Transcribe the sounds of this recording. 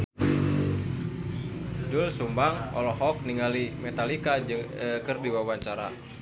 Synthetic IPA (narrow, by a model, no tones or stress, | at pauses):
dʊlsumbaŋɔ̰lɔhɔk̚niŋalimɛt̪alikad͡ʒkɨrdiwawaɲt͡ʃaɾa